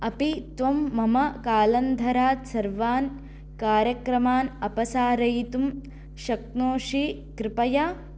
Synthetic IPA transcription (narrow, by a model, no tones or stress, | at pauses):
ɐpit̪ʋɐmːɐmɐkaːlɐnd̪ʱɐɾaːt̪sɐɾʋaːn | kaːɾjɐkɾɐmaːnɐpɐsaːɾɐjt̪um | ʃɐknoːʂi | kɾɪpɐja